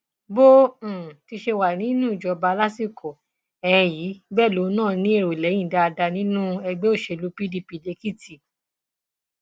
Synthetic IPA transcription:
bõ˦˨ti˧ʃe˧wa˨nĩ˨˦nũ˦i˨d͡ʒɔ˨˧ba˧la˦si˦˨ko˨ | ɛ̃˧ɛ̃˧ji˨˦bɛ˦˨lo˨˦nãː˦˨nĩ˦e˦˧˨ɾo˨lɛ̃˨˦ĩ˦˨da˧a˧da˧nĩ˦nũ˦ɛ˧ɡ͡bɛ˦o˦˨ʃe˧˨lu˨˦pi˦di˧pi˨˧˨le˧ki˦˨ti˨

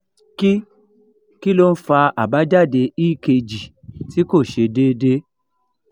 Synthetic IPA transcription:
ki˦ | ki˦lo˦n̩˦fa˧a˨ba˨˦d͡ʒa˦˨de˧i˦ke˧d͡ʒi˨ti˨˦ko˦˨ʃe˧de˦de˦

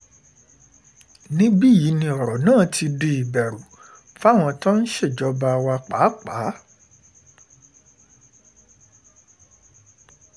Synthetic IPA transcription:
nĩ˦ɡ͡bi˦ji˨˦nĩ˧ɔ˨ɾɔ˨nãː˦˨tʰi˧de˧i˨bɛ˨ɾu˨ | fa˦˨w̃ɔ̃˧tã˦n̩˦ʃe˦˨d͡ʒɔ˦ba˧wa˧k͡pa˨˦k͡pa˨˦

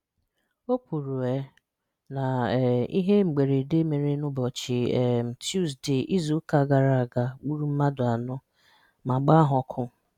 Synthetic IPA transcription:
o˦kʷu˨ɾu˨e˨˦ | na˨i˦ɦe˦ŋ͡m̩˨ɡ͡be˨ɾe˨de˦me˨ɾe˦nʊ˦bɔ˨t͡ʃɪ˨ɛ˨m̩˨tju˦zdɪ˨ʔi˦zu˨˦ka˨˦ɡa˨ɾa˨a˨ɡa˨ɡ͡bu˦ɾu˦m̩˦ma˦dʊ˨a˨nʊ˦ | ma˨ɡ͡ba˦a˦ɦɔ˨˦kʰʊ˦˨

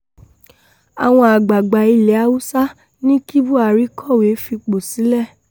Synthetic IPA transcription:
a˨w̃ɔ̃˧a˨ɡ͡ba˨ɡ͡ba˨i˧le˨˦a˧˦wu˦sa˦ | nĩ˦ki˦bu˦a˨ɾi˨˦kɔ˦˨we˨˦fi˧k͡po˨si˨˦lɛ˦˨

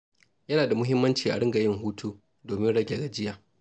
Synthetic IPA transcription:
jɐ˦naː˨da˨mʊ˦ɦɪ˦mːɐ˦nt͡ʃiː˨ʔa̰˨ɽɪ˦ŋɡa˨jɪ˦ŋɦuː˦tʰuː˦ | doː˨mɪ˦nɽɐ˦ɡʲe˨ɡa˨d͡ʒɪ˦jaː˨

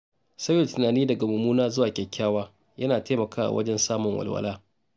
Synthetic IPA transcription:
sɐ˦jo˨tɪ˨naː˨niː˦dɐ˨ɡa˨mʊ˨muː˦naː˦zʊ˦waː˨kʲɛ˨kʲʰːaː˦waː˦ | jɐ˦naː˨teː˦mɐ˨kaː˦wʔa̰˨wʔɐ̰˦d͡ʒɛ˦nsaː˦mʊ˨ŋwɐ̰˨lwɐ̰˦laː˦

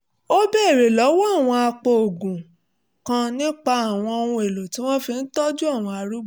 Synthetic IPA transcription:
o˦bɛ˦˨ɾe˨lɔ˨˦wɔ˦a˦˨w̃ɔ̃˧a˧k͡po˨o˨ɡũ˨ | kã˧nĩ˦k͡pa˧a˨w̃ɔ̃˧o˧nũ˧e˨lo˨tĩ˨˦w̃ɔ̃˦fi˧n̩˦tɔ˦d͡ʒu˦a˦˨w̃ɔ̃˧a˧ɾu˦˨

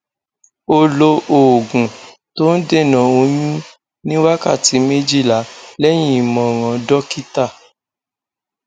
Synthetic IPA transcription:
o˧lo˧ʔo˨ɡũ˨ | to˦n̩˦de˦˨nã˨o˧˦jũ˦ | nĩ˦wa˦ka̰˦˨ti˨˦me˦d͡ʒi˦˨la˨˦lɛ˦j̃ĩ˦˨i˨mɔ̃˨ɾ̃ã˨˧dɔ˦ki˦ta˦˨

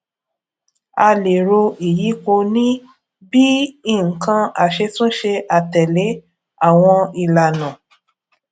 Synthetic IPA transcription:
a˧le˨ɾo˧i˨ji˨˦ko˧nĩ˦ | bi˦i˦˨kã˧a˨ʃe˧tũ˦ʃe˧ʔa˨tɛ˨le˨˦ | a˦˨w̃ɔ̃˧i˨la˨nã˨

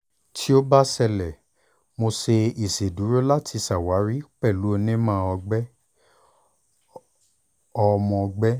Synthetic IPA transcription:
tʰi˦o˦ba˦sɛ˧˨lɛ˨ | mo˧se˧i˨se˨du˨˦ɾo˦la˦tʰi˧sa˨wa˨˦ɾi˦k͡pɛ˦˨lu˨˦o˧nẽ˦mãː˦ɔ˧ɡ͡bɛ˦ | ɔ˧mɔ̃˧ɡ͡bɛ˦

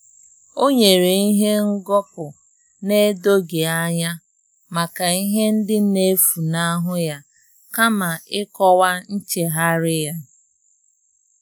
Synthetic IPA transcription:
o˦ɲe˨ɾe˨i˦ɦe˦ŋ̩˦ɡɔ˦pʊ˨ | ne˦do˦ɡe˨a˦ɲa˦ | ma˨ka˨i˦ɦe˦n̩˦dɪ˦ne˦fu˨na˦ɦʊ˦ja˦ | ka˦ma˨ɪ˦kɔ˦wa˦n̩˦t͡ʃe˨ɦa˦ɾɪ˦ja˦

